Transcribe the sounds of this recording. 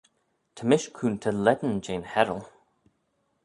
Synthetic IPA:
t̪ʰəmɪʃkʰuːnt̪ʰəlɛd̪n̩d͡ʒeːnhɛɹəlˠ

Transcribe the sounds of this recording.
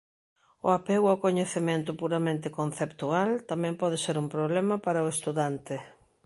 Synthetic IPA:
ʊ̰apeɣʊakoɲeθemẽnt̪̬ʊpuɾamẽnt̪ɪkonθept̪ualt̪amɛ̃mpɔðeseɾumpɾoβlɛmɐpaɾɐʊest̪uðant̪ɪ

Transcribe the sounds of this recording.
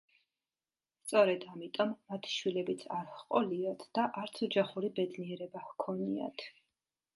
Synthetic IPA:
st̪sʼɔɾɛd̪amit̪ʼɔmːat̪ʰi̥ʃwilɛbit̪sʰaɾhqʼɔliat̪ʰd̪̥aʔaɾt̪sʰɔd͡ʒaχuɾibɛd̪niɛɾɛbahkʰɔnia̰t̪ʰ

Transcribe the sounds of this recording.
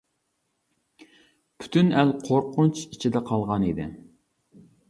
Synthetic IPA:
pʰy̥t̪ʰynælqʰoɾqʰʊnt͡ʃit͡ʃʰid̪ɛqʰɑlˠʁɑnid̪ɪ̰

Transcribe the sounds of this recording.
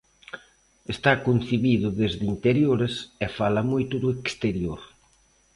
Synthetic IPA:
est̪akon̟θiβiðʊðezðint̪eɾjoɾesɛfalɐmojt̪ʊðʊekst̪eɾjoɾ

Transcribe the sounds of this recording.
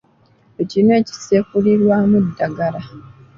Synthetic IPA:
ecine̞ːci̥seːkuliɾwaːmudːaɡala

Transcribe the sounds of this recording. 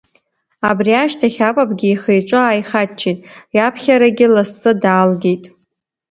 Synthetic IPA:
abriaʃtʰaχʲapʼapʼɡʲɪːχejʈ͡ʂʷʼɨaːjχat͡ʃʰetʼjapʰχʲaɾaɡʲɪlast͡sʼɨdaːlɡʲe̞jtʼ

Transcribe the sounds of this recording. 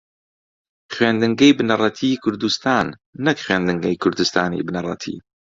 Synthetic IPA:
χɥend̪ɨŋɡɐjbɨnɐrˤɑt̪ʰiːkʰʊɾd̪ust̪aːnː | ɨkχweːnd̪ɨŋɡɐjkʰʊɾd̪ust̪aːnḭbɨnɐrˤɑ̰t̪ʰḭː

